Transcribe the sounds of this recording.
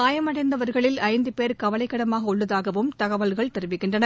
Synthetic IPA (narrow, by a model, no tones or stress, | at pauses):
aːjɐmɐɽɐɪnd̪ɐʋɐɾɣɐɭɪlɐɪnd̪ɯpeːɾkɐʋɐlɐɪkːɐɽɐmaːɣɐʊɭːɐðaːɣɐʋɯmt̪ɐɣɐʋɐlɣɐɭt̪ɛɾɯʋɪkːɪɳdrɐnɐ